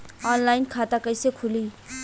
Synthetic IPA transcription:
ɔːnlaːɪnkʰaːt̪akəɪsekʰʊliː

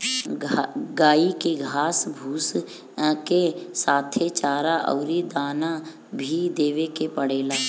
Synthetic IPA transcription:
ɡaːikeɡʱaːsbʱuːs | kesaːt̪ʰet͡ʃaːɾaʔɔ̰ːɾid̪aːna | bʱid̪eːʋekepəɽeːlaː

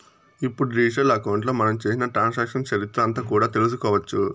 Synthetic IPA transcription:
ipːuɽuɾiːʂɐlɐkɐwɳʈloːmɐnɐmt͡ʃeːsinɐʈɾaːnsaːkʂɐnt͡ʃɐɾit̪ɾɐɐnt̪ɐkuːɽaːt̪e̞lus̬ukɔːʋɐt͡ʃːu

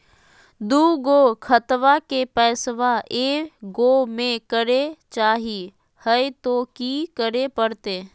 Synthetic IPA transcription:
d̪uːɡokʰət̪ʋakepɛːsʋaʔeːɡoːmẽkəɾet͡ʃaːɦi | həjt̪okikəɾepəɾt̪eː

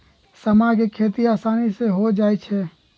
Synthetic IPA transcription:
səmakekʰeːt̪iaːsaːniseɦod͡ʒaːɛt͡ʃʰɛː

